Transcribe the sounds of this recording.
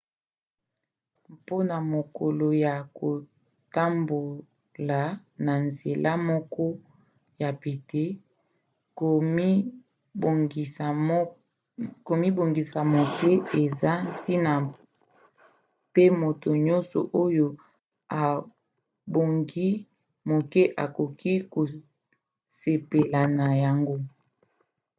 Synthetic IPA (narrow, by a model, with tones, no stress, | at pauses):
po˦na˨mo˨ko˨lo˨ja˨ko˨ | ta˦mbo˨ | la˨ | na˨nze˨la˦mɔ˦kɔ˦ | ja˨pe˨te˦˨˦ | ko˨mi˦bo˨ŋɡi˨sa˨mo˨ke˦e˨za˦ti˦na˨ | pe˦mo˨to˨ɲɔ̃˦nsɔ̰˨ʔo˦jo˦ | a˨ | bɡi˦ | mo˨ke˦ʔa˨ko˨ki˦ko˨ | se˨pe˨la˨na˨ja˨ŋɡo˦